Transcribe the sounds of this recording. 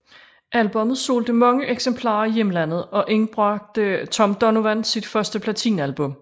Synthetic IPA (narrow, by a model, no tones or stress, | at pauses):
ʔælb̥ɔ̽mð̩ˠso̝̰ːld̥əmɑ̈ŋəʔeɡ̥sempʰlɑ̰̈ːɐijemlæn̰ð̞̩ˠɒ̽ʔeŋb̥ʁɑɡ̥̚d̥t͡sʰɒ̽md̥ɒ̽noʋænsid̥fɶɐsd̥əpʰlæt͡sʰḭːnælb̥ɔ̽m